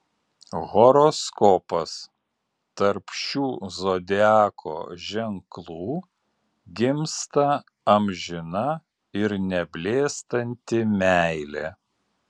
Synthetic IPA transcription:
ɣɔɾoskɔːpɐs | t̪ɐɾpʃʲuːzoːd̪ʲæːkʰo̰ːʒʲɛŋklˠuː | ɡʲɪmst̪ɐ | ɐmʲʒʲɪnɐ | ɪɾnʲɛbʲlʲeːst̪ɐnʲt̪ʲɪmʲæɪlʲḛ

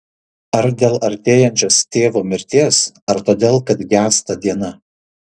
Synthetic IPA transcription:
ɐɾd̪ʲeːlˠɐɾʲt̪ʲeːjɛnʲt͡ʃʲoːst̪ʲeːʋoːmʲɪɾʲt̪ʲeːsɐɾt̪oːd̪ʲeːlˠkɐt̪ɡʲæːst̪ɐd̪ʲiɛnɐ

